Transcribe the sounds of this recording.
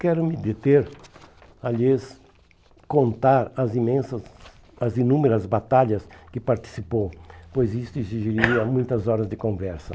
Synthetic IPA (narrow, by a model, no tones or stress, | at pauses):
kɛɾʊmɪd̪et̪eɾ | aljes | kõnt̪aɾɐzimẽsɐ | ɐzinũmeɾɐzbat̪aʎɐskɪpaɾt͡ʃ̪i̥sipowpojzist̪ʊiziʒiɾiiɐmũj̃t̪ɐzɔɾɐzd̪ɪkõvɛɾsɐ